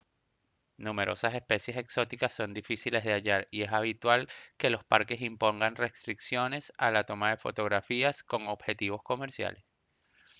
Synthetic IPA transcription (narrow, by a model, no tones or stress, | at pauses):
nume̞ɾʔo̞̰sase̞spe̞sje̞se̞kso̞t̪ikasːo̞nd̪ifisile̞zðeaʝaɾie̞saβ̞it̪walke̞lo̞spaɾke̞simpo̞ŋɡanre̞st̪ɾiksjo̞ne̞salat̪o̞maðe̞fo̞̰t̪o̞ɣɾafiasko̞ŋo̞bxe̞t̪iβo̞sko̞me̞ɾsja̰le̞s